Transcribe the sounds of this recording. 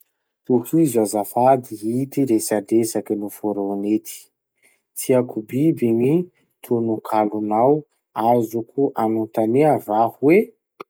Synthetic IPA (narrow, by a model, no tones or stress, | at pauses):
t̪uhizuazafad̪iɦit̪iɾesadesakinufoɾonet̪ʰi̥ | t͡siakubibini | t̪ʰunukʰalunaw | azukuʔanunt̪aneavahuwe